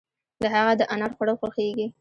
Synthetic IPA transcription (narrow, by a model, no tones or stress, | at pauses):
d̪əɦaɣad̪əʔanɑɽxwaɽəlxaxeɡi